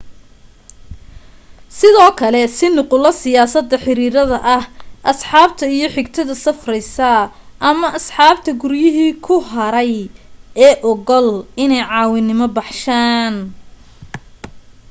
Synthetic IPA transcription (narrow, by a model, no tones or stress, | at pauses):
sɪðɔːkʰɐlɛsɪnʊqʊlɐsɪjaːsɐd̪ːɐħɪɾiːɾɐðɐʔɐhʔɐsħɑːbt̪ʰɐijɞħɪɡt̪ʰɐðɐsɐfrɛjsɐ | ʔɐmɐʔɐsħɑːbt̪ʰɐɡʊɾjɪɦiːkʰʊɦɐɾɛjɛːʔɔɣɔlɪnɛjʕɑːwɪnɪmɔbɑħʃaːn